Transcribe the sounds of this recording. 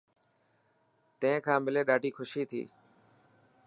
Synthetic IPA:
t̪ə̃ɦɪ̃ːkʰãːmɪleːɗaːɖiːxʊʃiːt̪ʰḭː

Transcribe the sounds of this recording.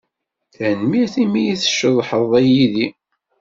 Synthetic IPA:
θænmiɾθimijiθə̥ʃːəðˤħəðˤæjiði

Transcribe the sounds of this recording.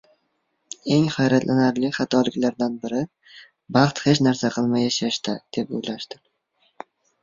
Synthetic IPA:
e̞ŋhajɾat̪ʰlʔanaɾlɪχɑt̪ʰɒlɪkʲlaɾd̪anbɪɾɪ | bɑχt̪he̞t͡ʃnaɾsaqʰɨlˠmajaʃaʃt̪ʰad̪̥e̞po̰jlaʃt̪ɪ

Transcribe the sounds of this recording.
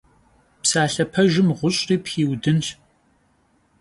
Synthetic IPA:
psaːɬɐpʰɐʒɪmʁʷʊɕʼiːpʰiːwdɨnɕ

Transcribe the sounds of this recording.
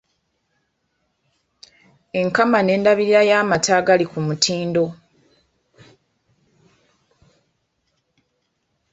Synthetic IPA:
e̞ŋkamane̞ːndaβiɾiɾajaːmataːɡalikumutʰiːndo̞

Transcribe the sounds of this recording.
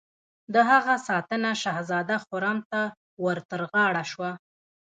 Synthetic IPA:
d̪əɦaɣasɑt̪ənaʃahzɑd̪axʊɾɑmt̪a | wəɾt̪əɾɣɑɽaʃwa

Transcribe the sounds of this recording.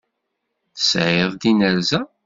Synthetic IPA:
sʕɪðˤd̪inəɾzæ

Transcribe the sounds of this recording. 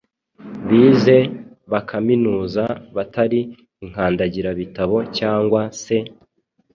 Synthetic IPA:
βiːze̞ | βakʰaminuːzaβataɾiː | ŋ̥haːndaɟiɾaβitaβo̞caːŋɡwase̞

